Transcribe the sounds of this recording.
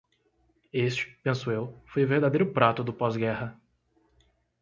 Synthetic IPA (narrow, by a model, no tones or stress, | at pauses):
est͡ʃɪ̥pẽsuewfojʊveɾd̪ad̪ejɾʊpɾat̪ʊd̪ʊpɔzɡɛhɐ